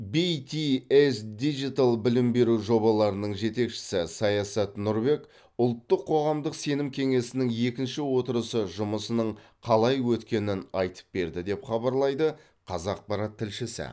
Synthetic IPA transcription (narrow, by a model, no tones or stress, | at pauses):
bit̪iesd̪iʒit̪alˠbɪlɪmbe̞ɾuʒo̞bɑlˠɑɾənəɴʒe̞t̪e̞kʃɪ̥sɪsɑjɑsɑt̪nʊɾbe̞k | ʊlˠt̪ːəqʰːo̞ʁɑmd̪əqse̞nɪmkʲʰe̞ŋe̞sɪnɪŋje̞kʲɪnʃɪwo̞t̪əɾəsəʒʊməsənəɴqʰɑlˠɑjwɵt̪kʲe̞nɪnɑjt̪ə̥p̚be̞ɾd̪ɪd̪e̞pχɑbɑɾlˠɑjd̪ə | qʰɑzɑq̚pɑɾɑt̪ʰːɪlʃɪsɪ̰